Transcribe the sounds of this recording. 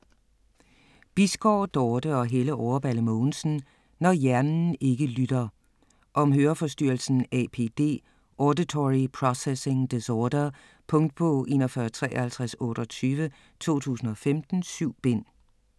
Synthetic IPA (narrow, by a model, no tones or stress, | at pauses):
b̥isɡ̥ɒːd̥ɒːd̥əɒ̽ɦeləʔɒʊɐb̥æləmɔːn̩sn̩ | nɒjæɐnn̩e̝ɡ̥əlyd̥ɐ | ʔɒ̽mɦøːɐfɒ̽sd̥yɐlsn̩ɛ̰pʰe̝̰ːd̥e̝̰ː | ʔɒːdit͡sʰɒʁipʰʁɒsese̝ŋd̥esɒːd̥ɐ | pʰɔ̽ŋd̥̚b̥ʰɔʔe̝ːnɒfɶɐt͡sʰʁɛ̰ːhælt͡sʰʁasɔ̽ːɾ̥ɒ̽t͡sʰyːʋə | t͡sʰo̝̰ːt͡sʰṵːsn̩ɒ̽femd̥n̩syʊ̰b̥e̝n̰